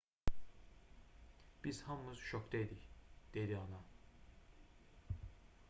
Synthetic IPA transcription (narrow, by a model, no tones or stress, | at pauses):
b̥iz̥hamːɯzʃɔkt̪ed̪icd̪̥ed̪iɑna